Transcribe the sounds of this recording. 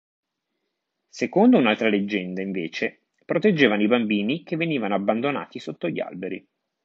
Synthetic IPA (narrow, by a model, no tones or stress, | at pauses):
sekond̪ounalt̪ɾaled͡ʒːɛnd̪aiɱveːt͡ʃe | pɾot̪ed͡ʒːeːvanoibambiːnikevːeniːvanoabːand̪ona̰ːt̪isot̪ːoʎːia̰lbeɾḭ